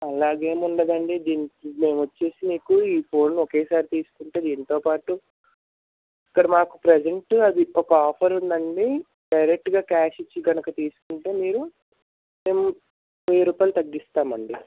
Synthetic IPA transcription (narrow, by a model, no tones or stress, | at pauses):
ɐlaːɡe̞ːmuɳɖɐd̪ɐɳɖid̪iːnme̞ːmʋɐt͡ʃːe̞ːsiniːkuiːpʰo̞ːnːɔke̞ːsaːɾit̪iːsu̥kuɳʈe̞ːd̪iːnt̪o̞ːpaːʈu | ikːɐɽɐmaːkupɾed͡ʒeɳʈɐd̪iɔkɐaːpʰɐɾund̪ɐɳɖi | ɖɐjɾek̚ʈɡaːkaːʂit͡ʃːiɡɐnɐkɐt̪iːsu̥kuɳʈeːmiːɾu | me̞ːmu | ejɾuːpaːlt̪ɐɡːist̪aːmɐɳɖi